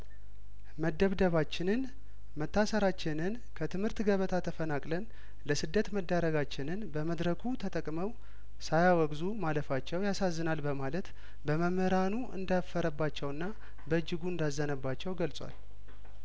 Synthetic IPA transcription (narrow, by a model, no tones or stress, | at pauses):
məd̪ːəβd̪əβat͡ʃːɪnɨn | mət̪ːasəɾat͡ʃːɪnɨn | kʰət̪ʰɨmhɨɾt̪ɡəβət̪ʰat̪ʰəfənakʼlən | ləsɨd̪ːət̪məd̪ːaɾəɡat͡ʃːɪnɨnbəməd̪ɾəkʰut̪ʰət̪ʼəkʼməw | sajawɔɡzumaləfat͡ʃːɛwjasazːɨnalbəmalət̪ | bəməməɾanuɨ̰nd̪afəɾəbːat͡ʃːɛwɨnːa | bəɨd͡ʒːɪɡuɨnd̪azːənəbːat͡ʃːɛwɡəlt͡sʼwa̰l